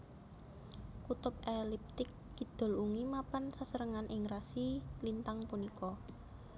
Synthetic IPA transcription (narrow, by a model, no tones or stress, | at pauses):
kut̪ʊp̚ɛlip̚t̪ɪkːid̪̥ɔ̤luŋimapansasəɾəŋanʔɪŋrasilint̪aŋpunikɔ